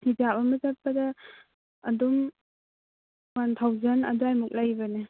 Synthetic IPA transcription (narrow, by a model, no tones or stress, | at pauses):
idabaməzat̚pːadaː | dum | wantʰawzana̰duajmuk̚lajbane